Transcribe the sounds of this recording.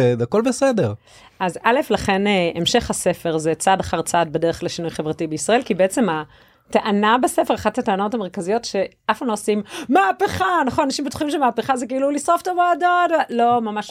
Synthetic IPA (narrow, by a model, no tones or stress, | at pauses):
ezako̞lbesedeʁ | ʔazale̞flaχe̞neemʃe̞χhase̞fe̞ʁzet͡sadaχaʁt͡sad̚bedeʁeχleʃinujχe̞vʁatibeisʁae̞lkibeet͡se̞ma | taʔanabesefe̞ʁaχatateano̞tameʁkazijo̞tʃe̞ʔafanlosimmaːpeχanaχonanaʃimbet̪u̥χimʃemaːpeχazekiilulisʁoftoboadotlo̞mamaʃ